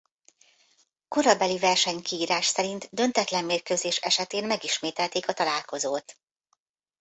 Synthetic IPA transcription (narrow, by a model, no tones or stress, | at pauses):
ko̞ɾɒbɛlivɛrʃɛɲkiːɾaːʃsɛɾint̪d̪ø̞nt̪ɛt̪lɛmːeːrkøːzeːʃɛʃɛt̪eːnmɛɡiʃmeːt̪ɛlt̪eːkɒt̪ɒlaːlko̞zoːt̪